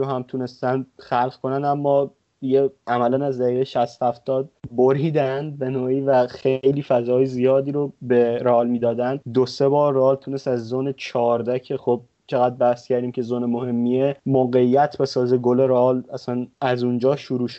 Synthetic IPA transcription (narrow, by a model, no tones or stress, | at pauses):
ohæmt̪ʰuːne̞st̪ænxælʁkʰonænd̪æmːɒː | d̪iɟeʔæmælænæzd̪æɾiːʁejʃæst̪hæft̪ɒːd̪̚boɾiːd̪ænd̪̚be̞noːiːvæxejliːfæzɒːjezijɒːd̪iːɾobe̞ɾɒːlmiːd̪ɒːd̪ænd̪d̪ose̞bɒːɾɒːlt̪ʰuːnest̪æzːonet͡ʃʰɒːɾd̪æcʰe̞xob̚ | t͡ʃʰeɣæd̪̚bæhscʰæɾd̪iːmcʰe̞zonemohe̞mːiemoːɣe̞jːæt̪ʰbe̞sɒːzeɡole̞ɾɒlæsænæzund͡ʒɒːʃuɾuːʃ